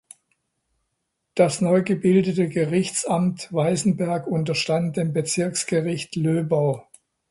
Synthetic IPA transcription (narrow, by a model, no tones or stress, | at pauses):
d̥asnɔʏɡəbɪldətəɡəʁɪçt͡samtvaɪzn̩bɛɐkʊntɐʃtant̚d̥eːmbət͡sɪɐksɡ̥əʁɪçtløːbaʊ